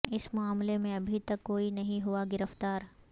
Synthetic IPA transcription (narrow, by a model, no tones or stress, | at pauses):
ɪsmʊaːmlemẽɐbʱit̪ɐkːoːinɐɦĩɦuaɡɪɾəft̪aːɾ